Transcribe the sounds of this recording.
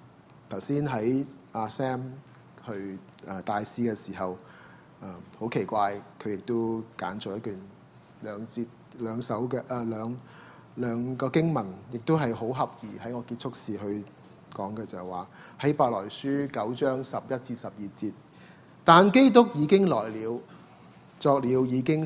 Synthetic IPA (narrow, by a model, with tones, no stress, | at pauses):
t̪ʰɐ˨˩wsiː˥nɦɐ˨˥jʔaː˧sɛː˥m | hɵ˧ɥ | ʔɛ˧˩t̪aː˨˧jsiː˥kɛː˧siː˨˩ɦɐ˨˩w | ʔɛ˨˧ho˨˥wkʰe˨˩jkʷaː˧jkʰɵ˨˧ɥjɪ˨k̚t̪o˥wka̰ː˨˥nt͡sɔː˨jɐ˥t̚kyː˨n | lœː˨˧ŋt͡siː˧t̚ | lœː˨˧ŋsɐ˨˥wkɛ˧ʔlœː˨˧ŋ | lœː˨˧ŋkɔː˧kɪ˥ŋmɐ˨˩njɪ˨k̚t̪o˥ɦɐ˨jho˨˥wɦɐ˨p̚jiː˨hɐ˨˥jŋɔː˨˧kiː˧t̚t͡ʃʰʊ˥k̚siː˨ɦɵ˧ɥ | kɔː˨˥ŋkɛː˧t͡sɐ˨waː˨˩hɐ˨˥jpaː˨lɔː˨˩jsyː˥kɐ˨˥wt͡ʃœː˥ŋsɐ˨p̚jɐ˥t̚t͡siː˧t̚sɐ˨p̚jiː˨t͡siː˧t̚ | t̪aː˨nke˥jt̪̬ʊ˥k̚jiː˨˧kɪ˥ŋlɔː˨˩jliː˨˧w | t͡sɔː˧k̚liː˨˧wjiː˨˧kɪ˥ŋ